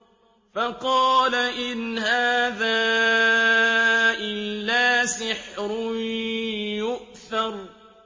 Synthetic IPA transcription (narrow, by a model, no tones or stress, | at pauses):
fɑqɑːlaʔɪnhaːðaː | ʔɪlːaːsɪħɾʊ | jʊʔθɑɾˤ